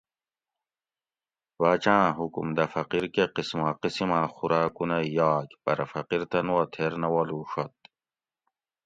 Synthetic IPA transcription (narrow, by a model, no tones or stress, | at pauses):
wat͡ɕãːɦukumd̪ɐfɐqiɾkeqismaːqisimãːxuɾaːkunɐjaːkpɐɾɐfɐqiɾt̪ɐnwat̪ʰeɾnɐwɐluʂɐt̪